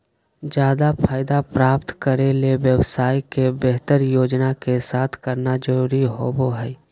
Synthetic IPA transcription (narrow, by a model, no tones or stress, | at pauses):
d͡ʒjaːd̪apʰaːɪd̪apɾaːpt̪kəɾeleʋjəwsaːikebeɦt̪əɾjoːd͡ʒnakesaːt̪ʰkəɾnad͡ʒəɾuːɾiɦoboɦɛː